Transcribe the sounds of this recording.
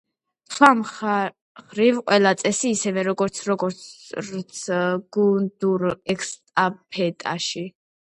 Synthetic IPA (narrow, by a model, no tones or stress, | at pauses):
sχwam | χɾivqʼwɛlˠat̪sʼɛsiːsɛvɛɾɔɡɔɾt̪sʰɾɔɡɔɾt̪sɡ̥und̪uɾɛkʰst̪ʼapʰɛt̪ʼa̰ʃi